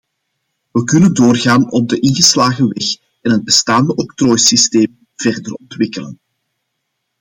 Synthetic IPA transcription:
ʋəkʏnəndoːrɣaːnɔb̚dəʔɪnɣəslaːɣəʋɛx | ɛnɦəd̚bəstaːndəʔɔktrɔːjsisteːm | v̥ɛrdərɔntwɪkələ̰n

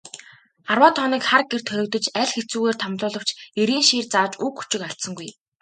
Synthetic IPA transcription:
arwaːt̪ʰɔːniːkχarɡer̥t̪ʰœɾʲɵ̆k̚t̪ɵ̆t͡ɕæɮxet͡suːɣeːrt̪ʰamt̪ʊːɮə̆w̥t͡ɕeɾiːnʃiːrt͡saːt͡ɕuːkxu̥t͡ɕɪ̆kaɬt̪sə̆ŋɡuj

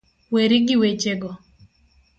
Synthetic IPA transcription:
weɾɪɡɪwet͡ʃeɡɔ

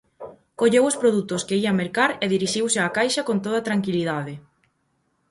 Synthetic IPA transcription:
koʎewʊspɾoðut̪ʊskeiɐmeɾkaɾeðiɾiʃiwsɪakajʃɐkont̪̬oð̞ɐt̪ɾaŋkiliðað̞ɪ

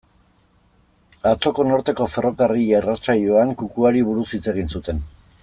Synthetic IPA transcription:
at͡so̞ko̞no̞ɾt̪e̞ko̞fe̞ro̞karierat͡saʎo̞aŋkukuaɾiβuɾusit͡se̞ɣ̞insut̪e̞n

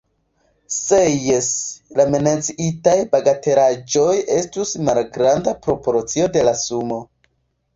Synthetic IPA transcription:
sejeslamenat͡siʔitajbaɡate̞ɾad͡ʒo̞je̞stusmalɡɾandapɾo̞po̞ɾt͡sio̞de̞lasumo̞

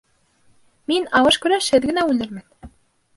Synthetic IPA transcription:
minɑwɤ̆ʃkʉɾæʃɘ̆ðɡɘ̆næʉlɘ̆ɾmɘ̆n

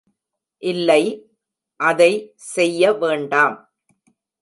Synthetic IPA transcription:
ʔɪlːɐɪ | ʔɐðɐɪ | sɛjːɐʋeːɳɖaːm

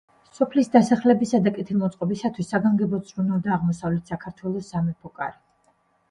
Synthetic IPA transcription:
sɔpʰlisd̪asaχlɛbisad̪akʼɛt̪ʰilˠmɔt̪sʼqʼɔbisat̪ʰwisːaɡaŋɡɛbɔsʰʼɾunald̪aːʁmɔsavlɛt̪ʰsakʰaɾt̪ʰwɛlˠɔsamɛpʰɔkʼa̰ɾi

